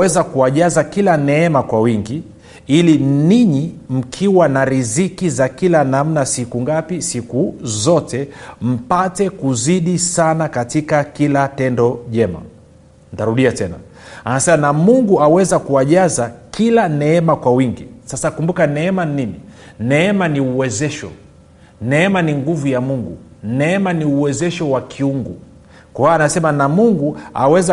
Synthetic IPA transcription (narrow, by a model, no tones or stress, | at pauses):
ɛzakuaʄazakilanɛɛmakwawiŋɡi | iliniɲim̩kʰiwanaɾizikizakilanam̩nasikuŋɡapisikuzɔtɛm̩patɛkuziɗisanakatikakilatɛndɔʄɛma̰ | ntaɾuɗiatɛna̰ | anasɛmanamuŋɡuawɛzakuwaʄazakilanɛɛmakwawiŋɡisasakumbukanɛɛmaninininɛɛmaniuwɛzɛʃɔ̰ | nɛɛmaniŋɡuvujamuŋɡṵnɛɛmaniuwɛzɛʃɔwakʰiuŋɡṵ | kwaanasɛmanamuŋɡua̰wɛza